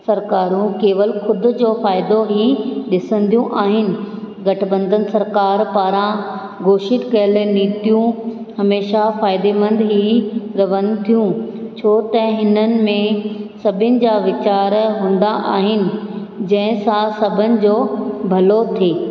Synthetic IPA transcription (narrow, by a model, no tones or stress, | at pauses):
sɐɾkaːɾũkeːʋəlxʊd̪̆ʱd͡ʑoːfaːɪd̪oɦiɗɪsə̃n̆d̪ijũʔaːɦɪnɪ̆ | ɡɐʈʰbə̃nd̪ʱənɪ̆sɐɾkaːɾpaːɾã | ɡoːʃɪt̪kɐjəlniːt̪ijũ | hɐmeːʃafaːɪd̪emɐ̃nd̪ɦiɾɐʋənt̪ʰijũt͡ɕʰoːt̪ɐɦɪnənɪ̆mẽsɐbʱɪnɪ̆d͡ʑaːʋɪt͡ɕaːɾɦũːn̆d̪aʔaːɦɪnɪ̆ | d͡ʑɐ̃ɦɪ̃sãsɐbʱənɪ̆d͡ʑoːbʱɐlot̪ʰeː